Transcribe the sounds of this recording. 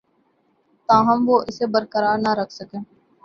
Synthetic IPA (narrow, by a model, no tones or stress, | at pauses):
t̪ãːɦɐmʋoːʔɪsebəɾkəɾaːɾnaɾɐkʰsəkẽː